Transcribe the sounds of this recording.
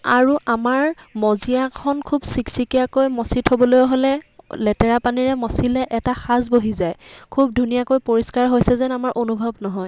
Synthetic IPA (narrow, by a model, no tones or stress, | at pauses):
aɹuʔamaɹmɔzijakʰɔnkʰubsiksikijakojmɔsitʰobɔlojɔɦolɛlɛtɛɹapaniɹɛmɔsilɛʔɛtaxazboɦizajkʰub̚dʱunijakojpoɹiskaɹɦojsɛzɛnamaɹʔonubʱɔbnɔɦɔj